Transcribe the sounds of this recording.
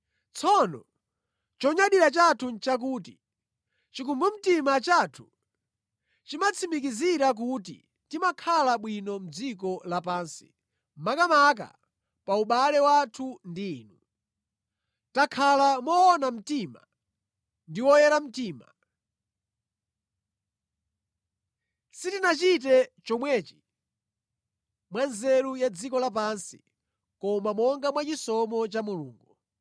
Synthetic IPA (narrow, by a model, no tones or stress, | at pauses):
t͡sʰɔnɔ̰ | t͡ʃɔɲaɗiɾat͡ʃatʰunt͡ʃak̬uːti | t͡ʃik̬umbum̩timat͡ʃaːtʰu̥ | t͡ʃimat͡sʰimik̬iziɾak̬ut̬ḭ | timakʰalaɓwinɔm̩d͡zik̬ɔlapaːnsi̥̰ | makamak̬a̰ | pauɓalɛwatʰundiːnu | takʰalamɔːnam̩tima̰ | ndiwɔjɛɾam̩tiːma̰ | sitinat͡ʃit̬ɛt͡ʃɔmwɛːt͡ʃi̥ | mwanzɛɾujad͡zikɔlap̬ansi | kɔmamɔŋɡamwat͡ʃisɔmɔt͡ʃamulṵːŋɡu